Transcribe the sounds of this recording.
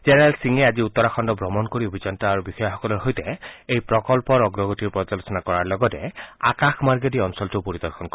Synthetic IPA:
zɛnɛɹalsiŋɛaziut̪ːɔɾaxʰɔndɔbɹɔmɔnkoɹiobʱid͡ʒɔntaaɹubixɔjɔxɔkɔlɔɹɦojtɛejpɹɔkɔlpɔɹɔɡɹɔɡotiɹpɔd͡ʒɔlɔsɔnakɔɹaɹlɔɡɔtɛa̰kaxmaɹɡediɔnsɔltupoɾid̪ɔɹxʰɔnkɔ

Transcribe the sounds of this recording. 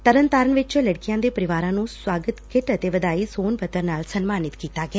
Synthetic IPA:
t̪əɾənt̪aːɾənʋɪt͡ʃləɽkɪijãːd̪eːpəɾɪʋaːɾãːnũːswaːɡət̪kɪʈət̪eːʋəd̪aːiːsoːnpʰət̪ːəɾnaːlsənmaːnɪt̪kiːt̪aːɡeɛ

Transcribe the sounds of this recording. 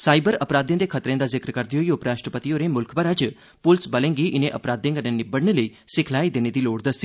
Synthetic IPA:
saːibəɾəpɾaːd̪j̃ːd̪eːkʰət̪ɾẽːd̪aːzɪkɾkəɾd̪iɦoːiʊpɾaːʃʈɾəpət̪ioːɾeːmʊlkʰpəɾəd͡ʒ | pʊlsbəlẽːŋɡiːʔɪnẽːʔəpɾaːd̪ẽːkənẽːnɪbəɽɳeːləiːsɪkʰlaːiːd̪eːneːd̪iːloːɽd̪əsːiː

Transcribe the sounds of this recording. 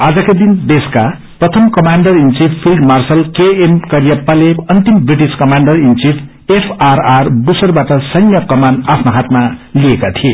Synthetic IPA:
ad͡zʌkad̪ind̪eska | prʌt̪ʰʌmkʌmaɳɖʌrint͡sipʰilɖmarsʌlkeenkʌɾjʌpaleʌnt̪imbriʈiskʌmaɳɖʌrint͡sid | epʰararbusʌrbaʈʌsʌŋjʌkʌmanapʰnoɦat̪maliekat̪ʰie

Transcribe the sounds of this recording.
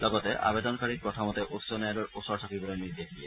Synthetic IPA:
lɔɡɔtɛʔa̰bedɔnkaɹipɹɔtʰɔmɔtɛʔutsɔnɛjalɔɹusɔɹsʰakibɔlɔnɹitiakʰijɛ

